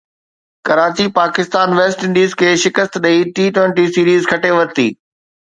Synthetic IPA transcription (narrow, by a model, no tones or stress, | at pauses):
kɐɾaːt͡ɕipaːkɪst̪aːnʋeːsʈɪ̃ɳɖiːzkʰeːʃɪkəst̪ɗɐiʈiːʈwẽɳʈisiːɾiːzkʰɐʈeʋɐɾt̪ḭː